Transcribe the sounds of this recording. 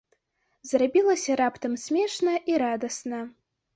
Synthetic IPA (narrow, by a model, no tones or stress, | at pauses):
zrabʲilˠɐsʲɐɾapt̪ɐmsʲmʲɛʂnɐʔiɾad̪ɐsnɐ